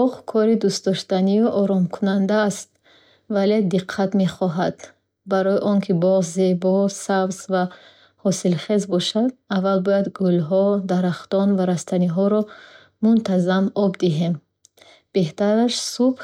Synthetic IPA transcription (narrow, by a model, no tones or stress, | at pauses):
bɔʁkʰɔɾid̪ust̪d̪ɔʃt̪aniuʔɔɾɔmkʰunand̪aːst̪̚ | vale̞d̪iqʰːat̪meχɔɦad̪̥ | baɾɔjiʔɔŋkʰibɔʁzebɔsabzva | hɔsilχe̞zbɔʃad̪avalbɔjad̪ɡulɦɔd̪aɾaχt̪ɔnvaɾast̪ʰaniɦɔɾɔ | munt̪ʰazamɔbd̪iɦe̞m | b̥e̞ht̪aɾaʃsub